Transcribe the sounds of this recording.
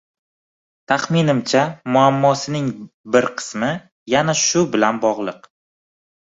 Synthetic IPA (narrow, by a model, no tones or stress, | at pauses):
t̪ʰaχmɪnɪmt͡ʃʰamʊamːɒsɪnɪŋbɪɾqʰɨ̥smɪ | janaʃʊbɪlanbɒʁlˠɨq